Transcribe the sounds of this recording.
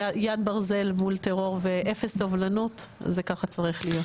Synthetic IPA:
jad̪̚baʁze̞lmult̪eʁo̞ʁveʔefesːovlanut̪zekaχat͡saʁiχlijo̞t

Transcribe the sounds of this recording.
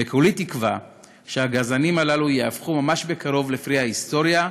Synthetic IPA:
ekolit̪ikva | ʃeaɡazanimalalujeafχumamaʃbe̞kaʁo̞vlefʁihaist̪o̞ʁja

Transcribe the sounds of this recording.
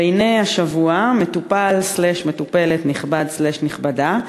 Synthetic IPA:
ejnejaʃavuame̞t̪upalsleʃmet̪upe̞letniχbadsleʃniχbada

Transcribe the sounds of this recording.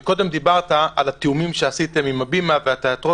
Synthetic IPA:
ko̞d̪e̞md̪ibaʁt̪aalat̪eumimʃe̞asit̪e̞mimabimaveat̪eat̪ʁo̞

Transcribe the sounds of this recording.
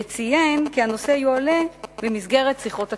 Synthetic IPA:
t͡sijenkiano̞seajuale̞vemisɡe̞ʁet̪siχo̞ta

